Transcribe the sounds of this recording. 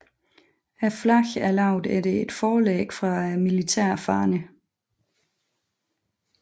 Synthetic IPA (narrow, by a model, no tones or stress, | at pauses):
æflɑçælɑ̈ʊ̰d̥ædee̝d̥fɒːlɛ̰ːɡ̥fʁɑ̈milit͡sʰɛɐ̰fɑ̰̈ːnə